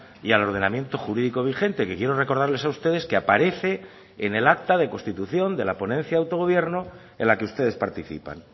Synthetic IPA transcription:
ialo̞ɾðe̞namje̞nt̪o̞xuɾiðiko̞β̞ixe̞nt̪e̞ke̞kje̞ɾo̞re̞ko̞ɾð̞aɾlesaust̪e̞ðe̞skeapaɾe̞θe̞ː | ne̞lakt̪aðe̞ko̞st̪it̪uθjo̞nd̪e̞lapo̞nen̟θjaðawt̪o̞ɣ̞o̞β̞je̞ɾno | enlakeust̪e̞ðe̞spaɾt̪iθḭpa̰n

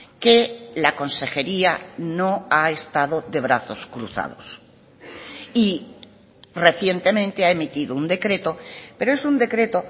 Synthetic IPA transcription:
kelako̞nse̞xe̞ɾianoaest̪aðo̞ðe̞β̞ɾaθo̞skɾṵθa̰ð̞o̞̰s | i | re̞θje̞nt̪e̞mẽnt̪eae̞mit̪iðound̪e̞kɾe̞t̪o̞pe̞ɾoe̞sund̪e̞kɾe̞t̪o̞

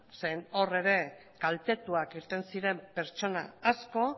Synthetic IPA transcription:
seno̞re̞ɾe̞ | kalt̪e̞t̪uakiɾt̪e̞nsiɾe̞mpe̞ɾt͡ʃo̞na̰ːsko̞

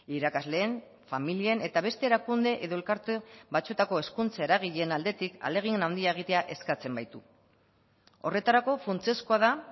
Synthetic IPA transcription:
iɾakazle̞ːɱ | familiene̞t̪aβ̞e̞st̪e̞ːɾakund̪e̞ʔeðo̞e̞lkaɾt̪ebat͡sut̪ako̞e̞skunt͡saeɾaɣ̞iʎe̞nald̪e̞t̪ika̰le̞ɣ̞ienawnd̪iaeɣ̞it̪e̞aʔe̞skat͡se̞mbajt̪u | o̞̰re̞t̪aɾako̞funt͡sieskoaða

